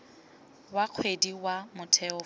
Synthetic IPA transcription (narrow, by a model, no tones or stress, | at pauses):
waq͡χʰwediwamʊtʰɛɔ